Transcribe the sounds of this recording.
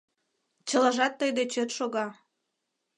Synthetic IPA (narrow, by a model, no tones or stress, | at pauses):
t͡ɕəlɑʒɑt̪ːəjd̪et͡ɕøt̪ʃoɣɑ